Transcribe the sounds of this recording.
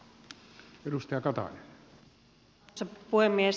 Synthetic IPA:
edust̪ɑjɑkɑt̪ɑ̰nen | sepuhemːies

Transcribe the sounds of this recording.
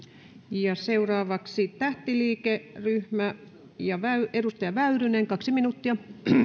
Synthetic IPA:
jɑseurɑːʋɑksit̪æht̪iliːkeryhmæ | jɑʋæyedust̪ɑjɑʋæyɾyneŋkɑksiminuːt̪ːiɑ

